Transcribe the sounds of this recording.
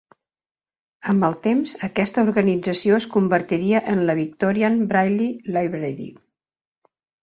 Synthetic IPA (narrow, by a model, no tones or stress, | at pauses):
əmbəlˠt̪emzəkɛst̪əuɾɣənid͡zəsioəskumbəɾt̪iɾiəʔənləβik̚t̪ɔɾianbɾajlilajβɾɛðḭ